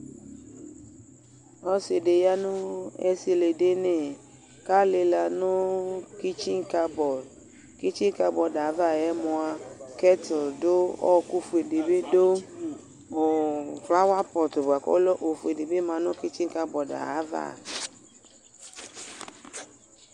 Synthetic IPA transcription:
ɔ˦se˨de˨ja˦nʊ̃˦ɛ˦si˨le˨de˦ne˨ | ka˦le˧la˧nʊ̃˦ki˦t͡ʃi˦ŋ˦ka˧bɔ˨ | ki˦t͡ʃi˦ka˧bɔ˨da˨˦va˦˨ɛ˨˦mɔ̃˨a˨kɛ˦tʊ˨do˦ɔ̰˦ku˦fu˨e˨de˨be˦do˦ | o˨fla˦wa˦pɔ˨tʊ˨ba˨kɔ̰˦lɔ˦ʔo˨fu˨e˨de˨be˦mã˨nʊ̃˦ki˦t͡ʃĩ˦ŋka˦bɔ˨da̰˨a˦va̰˦˨

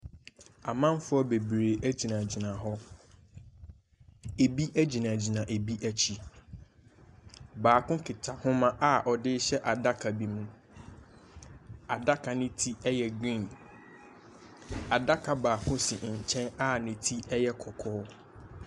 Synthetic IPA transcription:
a˨mã˦n˦fʊ˦ɔ˦be˨bɾe˨ʔæ˦d͡ʑi˨nã˨d͡ʑi˨nã˨ɦɔ˦ | e˨bi˦ʔæ˦d͡ʑi˨nã˨d͡ʑi˨nã˨ʔe˨bi˦ʔæ˦t͡ɕʰi˦ | baː˨kʰʊ̃˦kʰɪ˨tʰa˨hʊ̃˦mã˦ʔa˦˨ʔɔ˨dɪ˦ɕɛ˦ʔa˨da˦kʰa˨bi˨mũ˦ | a˨da˦kʰa˨nɪ̃˦tʰi˦ɛ˦jɛ˨ɡĩ˦n | a˨da˦kʰa˨baː˨kʰʊ̃˦sĩ˨ɲ̩˨t͡ɕʰɛ̃˦na˦˨nɪ̃˦tʰi˦ɛ˦jɛ˦kʰɔ˨kʰɔː˦

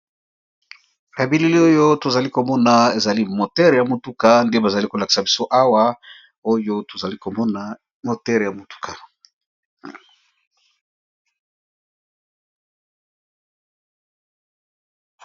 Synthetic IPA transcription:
ja˨bi˦li˦li˦o˦jo˦to˨za˨li˦ko˨mɔ˦na˨e˨za˨li˦mo˨tɛ˦ʁja˨mo˨tu˦ka˨nde˦ba˨za˨li˦ko˨la˨ki̥˨sa˨bi˨so˦ʔa˦wa˦ | o˦jo˦to˨za˨li˦ko˨mɔ˦na˨ | mo˨tɛ˦ʁja˨mo˨tu̥˦kʰa˨

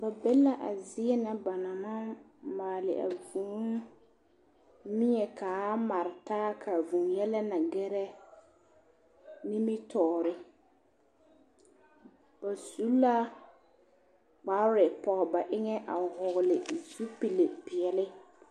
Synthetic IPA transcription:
ba˨bɛ˦la˦ʔa˨zɪ˦ɛ˦na˨ba˨na˨ma˦ | maː˨lɪ̰˨ʔa̰˨vuː˨˦ | mɪ˦ɲɛ˨kaː˨˦ma˨ɾɪ˨taː˦kʰa˨vu˨ŋjɛ˦lɛ˦na˨ɡɛ˦ɾɛ˦ | nɪ˦mɪ˦tʰɔː˨ɾɪ˦ | ba˨su˦la˦ | k͡pa˨˦ɾɪ˨pɔ˨ɣɔ˨ba˨ʔɪ˦ŋɛ˦ʔa˨hʊ˨ɣlɪ˨zu˦pi˨le˨pɪ˨ɛ˨lɪ˦

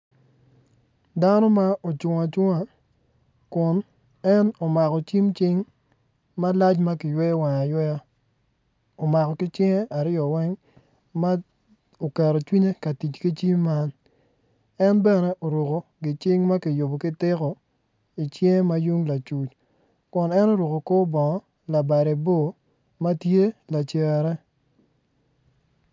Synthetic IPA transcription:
da˦nɔ˦ma˦ʔo˨t͡ʃʊ˨ŋa˨t͡ʃʊ˦ŋa˨ | kʊ˨n | ɛ˦no˨ma˨kɔ˨t͡ʃi˦mt͡ʃɪ˦ŋ | ma˦la˦t͡ʃma˦kɪ˨jwɛ˦wa˨ŋa˨jwɛ˦ja˦ | o˨ma˨kɔ˨kɪ˦t͡ʃɪ˦ŋe˦a˨ɾɪ˦ɔ˨wɛ˦ŋ | ma˦ | o˨kɛ˨ɾo˨t͡ʃwi˦ɲe˦ka˨ti˨t͡ʃki˦t͡ʃi˦mːa˦n | ɛ˦nbɛ˦˨nɛ˦ʔo˨ɾu˨ko˨ɡɪ˨t͡ʃɪ˦ŋma˦kɪ˨jo˨bo˨kɪ˦tɪ˦kɔ˨ | i˨t͡ʃe˦ŋe˦ma˦ju˦ŋla˨t͡ʃu˨t͡ʃ | kʊ˨nɛ˦no˦ɾu˨ko˨ko˦bɔ˨ŋɔ˦ | la˨ba˨ɾe˨bo˦˨ | ma˦tje˦la˨t͡ʃɛ˨ɾɛ˦

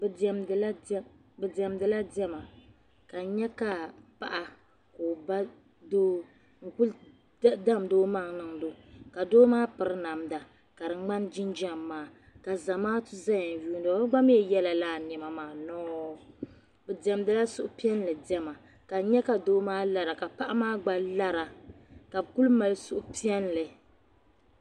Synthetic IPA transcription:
bɛ˨dɛ˦mdɨ˨la˦bɛ˨dɛ˨mdɨ˨la˦dɛ˦ma˨ | ka˨ɲɛ˦ka˨pa˨ʔa˨ | koː˨ba˦ | doː˦ | ŋ̩˨ku˦l | da˦mdoː˦ma˦˨ŋ˦nɨ˦˨ŋdo˦ka˨doː˦maː˦pɨ˨ɾɨ˦na˨mda˨ | ka˨dɨ˨ŋ͡ma˦nd͡ʒi˦nd͡ʒɛ˦˨mːaː˨˦ | ka˨za˨maː˦tu˦za˦ja˨n˨ju˦n˦do˨˦ɡ͡ba˦m˦ɛ˨jɛ˦la˨laː˦˨nɛ˨ma˨maː˨nɔː˦ | bɛ˨dɛ˨mdɨ˨la˦sʊ˦ʔʊ˦pi˦ɛ˦n˦lɨ˨dɛ˦ma˨ | ka˨ɲɛ˦ka˨doː˦maː˦la˨ɾa˨ka˨pa˦ʔa˦maː˦ɡ͡ba˦la˦ɾa˨ | ka˨bku˦lma˨lsʊ˦ʔʊ˦pi˦ɛ˦n˦lɨ˨

